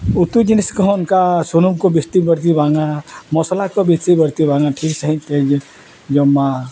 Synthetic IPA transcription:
ut̪ud͡ʒiniskɔunkasunumkobest̪ibəɾt̪̬ibʱãŋãmɔslakobet͡ʃibəɾt̪ibʱãŋɡaʈʰiksəɦĩt̪ed͡ʒ | d͡ʒɔmːa

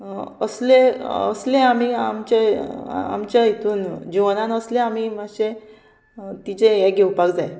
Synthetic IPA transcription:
əsleə̰sleamiamt͡ɕea̰mt͡ɕjait̪uːnd͡ʑiʋənanəslẽam̤imaɕe | t̪it͡sejɛɡʱewpakd͡zae

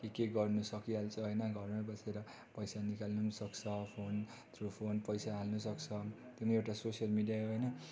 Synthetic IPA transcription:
kikeɡʌrnusʌkiɦalt͡sʰʌɦʌjnʌɡʱʌrnʌbʌsʰeɾʌ | pʌjsanikalnusʌkt͡sʰʌpʰon | t̪ʰropʰonpʌjsaɦalnusʌkt͡sʰʌ | t̪jomaewʈasosijʌlmiɖijaɦʌjnʌ

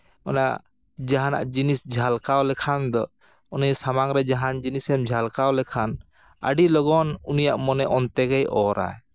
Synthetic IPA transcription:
ɔna̰ʔ | d͡ʒaɦana̰ʔd͡ʒinisd͡ʒʱalkawlɛkʰand̪ɔ | ɔnijsamaŋɾɛd͡ʒaɦand͡ʒinisɛmd͡ʒʱalkawlɛkʰan | ə̰ɖilɔɡɔnunijaʔmɔnɛʔɔnt̪ɛɡajʔɔɾa̰j

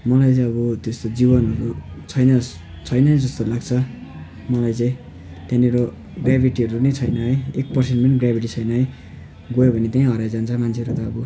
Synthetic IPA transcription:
mʌlajt͡sãʌβʌt̪est̪od͡zibʌnɦʌɾut͡sʰʌjnʌ | t͡sʰʌjnʌd͡zʌst̪olaɡt͡sʰʌ | mʌlajt͡saĩ | t̪janiɾo | ɡrjabʱiʈiɦʌɾunʌjt͡sʰʌjnʌɦʌjek̚pʌrsenʈpʌniɡrabʱiʈit͡sʰʌjnʌɦʌj | ɡojobʱʌnet̪aĩɦʌɾajd͡zant͡sʰʌmanʰeʌɾut̪ʌːbʌ

